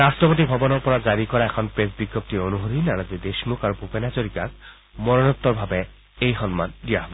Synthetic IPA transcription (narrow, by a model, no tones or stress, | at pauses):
astɹɔpotibʱɔbɔnɔɹpɔɹazaɹikɔɹaɛkʰɔnpɹesbiɡːɔp̚tionuɦoɾinaɹazid̪eʃmukaɹupupenasoɹikak | mɔɹɔnɔt̪ːɔɹbʱabɛ | ejxɔnma̰ndijaɦba